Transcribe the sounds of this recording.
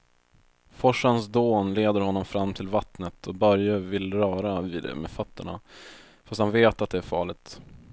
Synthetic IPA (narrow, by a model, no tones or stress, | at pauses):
fɔʂːansd̪oːnleːd̪əɾhɔnːɔmfɾamːt̪ʰɪlvat̪nət̪ʰɔbœɾjəvɪlːɾœːɾavɪd̪ɛ̰mɛ̰fat̪ːəɳa̰ | fast̪hanveːt̪at̪̚d̪ɛæɾfɑːɭɪɡ̚t̪